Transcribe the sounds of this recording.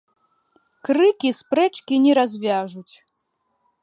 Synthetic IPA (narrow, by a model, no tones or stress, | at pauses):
kɾɨkʲispɾɛt͡ʂkʲinʲɛɾazʲvʲaʐut͡sʲ